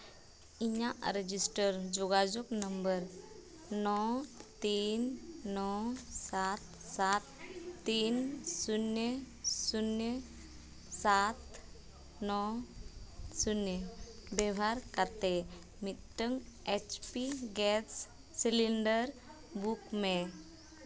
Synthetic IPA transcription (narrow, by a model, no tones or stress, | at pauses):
iɲaʔɾəd͡ʑisʈəɾd͡ʑɔɡad͡ʑoknəmbəɾ | nɔt̪iːnːɔsat̪ | sat̪ːiːnsunjə | sunjə | sat̪ | nɔ | sunjəbɛʋaɾkat̪e | mitʈːəŋet͡ɕpiɡɛsː | iliɳɖəɾ | bukme